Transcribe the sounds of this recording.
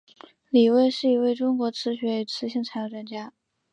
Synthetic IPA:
li˨˩we˥˧ɪʂɻ̩˥˩i˧˥we˥˩ɪʈ͡ʂʊ˥ŋkwɔ˧˥t͡sʰɹ̩˧˥ɕɥɛ˧˥y˨˩t͡sʰɹ̩˧˥ɕi˧˥ŋt͡sʰa˧˥ɪjo˧˥ʊʈ͡ʂa˥˩nt͡ɕja˥

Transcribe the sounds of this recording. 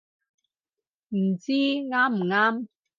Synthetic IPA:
m̩˨˩t͡siː˦˥ŋaː˦˥mm̩˨˩ŋaː˥m

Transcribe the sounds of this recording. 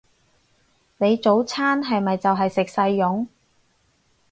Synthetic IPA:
ne˨˧jt͡so˨˥wt͡sʰaː˥nɦɐ˨jmɐ˨jt͡sɐ˨wɦɐ˨jsɪ˨k̚sɐ˧jːʊ˨˥ŋ

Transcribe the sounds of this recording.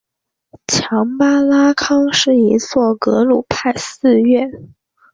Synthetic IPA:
t͡ɕʰjɑ˧˥ŋpa˥la˥kʰɑ˥ŋʂɻ̩˥˩i˧˥swɔ˥˩kɤ˧˥lu˨˩pʰa˥˧ɪsɹ̩˥˧ɥɛ˥˩

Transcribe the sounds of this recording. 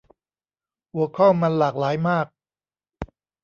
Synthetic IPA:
ʔu˨˩˦kʰɔ˥˩ma˧nlaː˨˩k̚laː˩˦jmaː˥˩k̚

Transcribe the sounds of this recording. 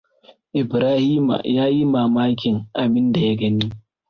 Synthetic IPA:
ʔɪ˨bɾaː˦hiː˦ma̰˨jaː˦ji˦maː˨maː˦kʲɪ˨ŋʔa˨bɪ˦nda˨ja˦ɡɐ˦niː˦

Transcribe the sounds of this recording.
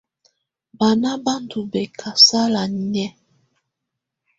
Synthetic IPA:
ba˨na˦ba˦ntu˨bɛ˨kʰa˨sa˦la˨ɲɛ˦

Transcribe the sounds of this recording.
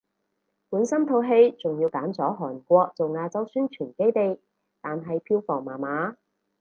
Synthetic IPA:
puː˨˥nsɐ˥mt̪ʰo˧wɦe˧jt͡sʊ˨ŋjiː˧wkaː˨˥nt͡sɔː˨˥ɦɔː˨˩nkʷɔː˧k̚t͡so˨wŋaː˧t͡sɐ˥wsyː˥nt͡ʃʰyː˨˩nke˥jt̪e˨˧j | t̪aː˨nɦɐ˨jpʰiː˧wfɔː˨˩ŋmaː˨˩maː˨˥

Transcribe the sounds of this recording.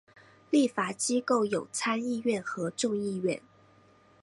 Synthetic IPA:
li˥˩fa˨˩t͡ɕi˥ko˥˩ʊjo˨˩ʊt͡sʰa˥ni˥˧ɥɛ˥˩nxɤ˧˥ʈ͡ʂʊ˥˧ŋi˥˧ɥɛ̰˥˩n

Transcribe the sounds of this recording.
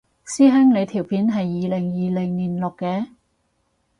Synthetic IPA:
siː˥ɦɛ˥ŋle˨˧jt̪ʰiː˨˩wpʰiː˨˥nɦɐ˨jːiː˨˧lɪ˨˩ŋjiː˨lɪ˨˩ŋniː˨˩nlʊ˨kːɛː˧

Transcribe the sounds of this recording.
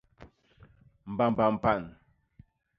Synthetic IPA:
m̩˨ba˨m˨ba˨m̩˨pa˦˨n

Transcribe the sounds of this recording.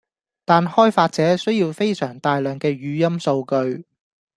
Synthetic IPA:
t̪aː˨nhɔː˥jfaː˧t̚t͡sɛː˨˥sɵ˥ɥjiː˧wfe˥jsœː˨˩ŋt̪aː˧jlœː˨ŋkɛː˧ɥyː˨˧jɐ˥mso˧wkɵ˧ɥ

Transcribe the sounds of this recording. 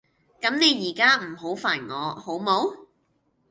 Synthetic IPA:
kɐ˨˥mne˨˧jjiː˨˩kaː˥m̩˨˩ɦo˨˥wfaː˨˩nŋɔː˨˧ho˨˥wmo˨˥w

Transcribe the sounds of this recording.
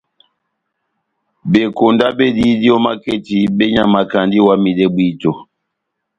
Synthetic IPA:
be˨ko˨nda˦bɛ˦di˦di˦ɔ˦ma˦ke˦˨ti˨bɛ˦ɲa˨ma˨ka˨ndi˦wa˦mi˨dɛ˦bwi˦to˨

